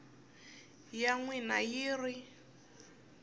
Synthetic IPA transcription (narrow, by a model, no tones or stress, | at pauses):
jaŋwinajiːri